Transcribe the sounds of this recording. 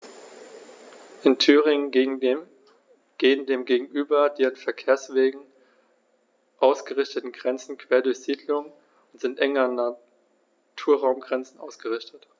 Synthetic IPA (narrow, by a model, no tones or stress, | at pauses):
ʔɪntʰyːʁɪŋən | ɡ̥eːəndeːmɡeːɡŋ̩ʔyːbɐdeːʁənfɛɐkʰeːɐsv̥eːɡŋ̩ | ʔaʊsɡ̥əʁɪçtətn̩ɡʁɛnt͡sn̩kʰv̥eːɐdʊɐçz̥iːdlʊŋə | ʊntz̥ɪntʔɛŋɐna | tʰuːɐʁaʊmɡʁɛnt͡sn̩ʔaʊsɡ̥əʁɪçtət